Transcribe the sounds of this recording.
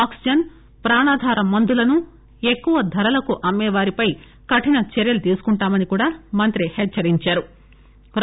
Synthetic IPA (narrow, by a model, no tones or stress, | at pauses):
aːksid͡ʒɐn | pɾaːɳaːd̪ʱaːɾɐmɐnd̪ulɐnu | e̞kːuʋɐd̪ʱɐɾɐlɐkuʔɐmːɛːʋaːɾipɐj | kɐʈinɐt͡ʃeɾjɐlut̪iːsu̥kuɳʈaːmɐnikuːɽaːmɐnt̪ɾihɛt͡ʃːɐɾiɲt͡ʃaːɾu | ɾ